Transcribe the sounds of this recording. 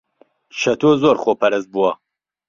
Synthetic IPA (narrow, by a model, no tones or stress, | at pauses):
ʃɐt̪ʰoːzoːɾχoːpʰɐɾɐz̚buwɐ